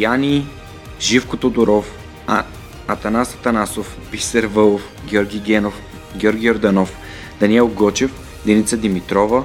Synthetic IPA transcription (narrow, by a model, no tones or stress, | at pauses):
janʲi | ʒifkot̪od̪oɾɔf | ɐt̪ɐnasɐt̪ɐnasof | bisɛɾvəlˠof | ɡʲɔɾɡʲiɡɛno | ɡʲɔɾɡʲioɾd̪anɔf | d̪̥ɐniɛlˠɡɔt͡ʃɛf | d̪ɛnit̪səd̪imit̪ɾɔvə